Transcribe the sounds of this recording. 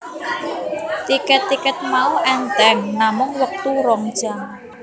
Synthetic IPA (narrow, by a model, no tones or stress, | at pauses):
t̪ikɛt̪ːikət̪̚mauʔɛnt̪ɛŋnamʊŋwək̚t̪uɾɔŋd̥ʒ̥aŋ